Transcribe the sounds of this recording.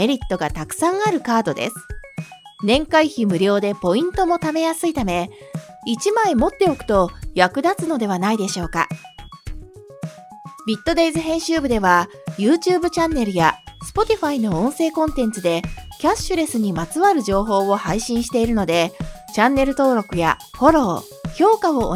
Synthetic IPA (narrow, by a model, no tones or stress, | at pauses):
me̞ɾʲit̪ːo̞ɡat̪akɯ̟̥sãɰ̃aɾɯ̟kaːd̪o̞d̪e̞̰sɨ̥ | nẽ̞ŋkaiçimɯ̟ɾʲo̞ːd̪e̞po̞ĩnt̪o̞mo̞t̪ame̞jasɨit̪ame̞ | it͡ɕimaemo̞t̪ːe̞o̞kɯ̟̥t̪o̞jakɯ̟d̪at͡sɨno̞d̪e̞β̞anaid̪e̞ɕo̞ːka̰ | bʲit̪ːo̞d̪e̞izɨɦẽ̞ɰ̃ɕɨːbɯ̟d̪e̞βa | jɯːt͡ɕɨːbɯ̟t͡ɕãnːe̞ɾɯ̟jasɨ̥po̞t̪ʲiɸaino̞õɰ̃se̞ːkõ̞nt̪ẽ̞nt͡sɨd̪e̞kʲaɕːɨɾe̞sɨɲ̟imat͡sɨβaɾɯ̟ʑo̞ːɦo̞ːβo̞haiɕĩɰ̃ɕi̥t̪e̞iɾɯ̟no̞d̪e̞t͡ɕãnːe̞ɾɯ̟t̪o̞ːɾo̞kɯ̟ja̰ho̞ɾo̞ː | çʲo̞ːkao̞̰ː